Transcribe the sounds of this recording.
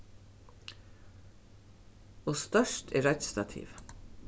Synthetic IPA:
oːst̪œʃʈʰḛːɾɛt̪st̪ɑt̪ʰḭːʋ

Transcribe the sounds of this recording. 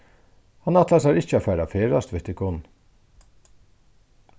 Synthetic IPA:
hɑnɑt̪lɑsɑːɾɪçəoːfæːɾɑfeːɾɑst̪ʋɪt̪ɪkʊn

